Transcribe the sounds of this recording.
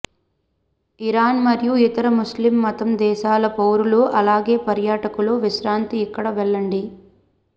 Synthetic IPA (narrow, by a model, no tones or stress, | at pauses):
iɾaːnmɐɾjuit̪ɐɾɐmuslimːɐt̪ɐmd̪ɛːʃaːlɐpɐwɾuluʔɐlaːɡe̞ːpɐɾjaːʈɐkuluʋiʃɾaːnt̪iːkːɐɽɐʋɛɭːɐɳɖi